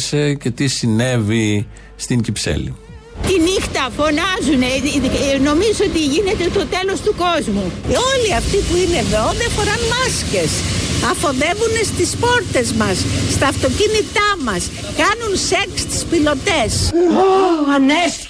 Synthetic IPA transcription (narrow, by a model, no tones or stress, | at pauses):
sece̞t̪isine̞vi | st̪incipse̞̰lḭ | t̪inixt̪ɐfo̞nɐzuneno̞mizot̪iʝine̞t̪et̪o̞t̪e̞lo̞st̪uko̞zmuoliɐft̪ipuine̞ðo̞ðefo̞ɾɐnmɐsce̞sɐfo̞ðe̞vunest̪ispo̞ɾt̪e̞zmɐsːt̪ɐːft̪o̞cinit̪ɐmɐs | kɐnunse̞kst̪i̥spilo̞t̪e̞soɐne